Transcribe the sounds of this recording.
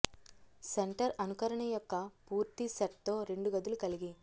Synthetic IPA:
seɳʈɐɾɐnukɐɾɐɳɐjɔkːɐpuːɾt̪isɐʈt̪o̞ːɾe̞ɳɖuɡɐd̪ulukɐliɡi

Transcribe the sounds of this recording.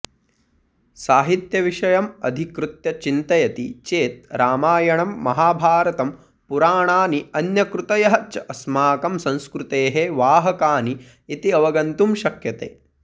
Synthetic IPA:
saːɦit̪jɐʋiʃɐjɐmɐd̪ʱikɾut̪jɐt͡ʃint̪ɐjɐt̪ḭt͡ʃeːt̪̚ɾaːmaːjɐɳɐmːɐɦaːbʱaːɾɐt̪ɐm | puɾaːɳaːniɐnjɐkɾut̪ɐjɐɦɐt͡ʃɐɐsmaːkɐmsɐ̃nskɾut̪eːɦeʋaːɦɐkaːniː | t̪iɐʋɐɡɐnt̪umʃɐkʰjɐt̪ḛː

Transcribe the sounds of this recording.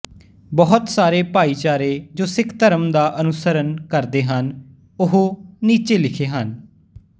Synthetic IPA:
bɔɦʊt̪saːɾeːpaːiːt͡ʃaːɾeːd͡ʒoːsɪkʰt̪əɾəmd̪aːʔənʊsəɾənkəɾd̪eːɦən | ʊɦoniːt͡ʃeːlɪkʰeːɦən

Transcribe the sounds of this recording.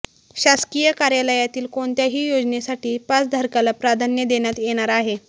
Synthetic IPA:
ɕaskijəkaɾjaləjat̪iːlkoɳt̪jaɦiːjod͡znesaʈiːpat͡sd̪ʱəɾkalapɾad̪ʱanjəd̪eɽ̃jat̪jeɽ̃aɾaɦe

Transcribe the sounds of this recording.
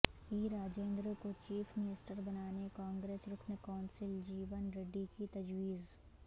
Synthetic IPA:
iːɾaːd͡ʒẽːnd̪ɾəkot͡ʃiːfʰmɪnɪsʈəɾbɐnaːnekãːŋɡɾeːsɾʊkʰnəkaːnsɪld͡ʒiːʋənɾeɖikit̪ɐd͡ʒwiːz

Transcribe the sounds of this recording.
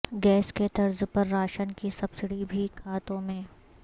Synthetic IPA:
ɡɛːsket̪ɐɾzpɐɾːaːʃənkisɐbsɪɽibʱikʰaːt̪õmẽ

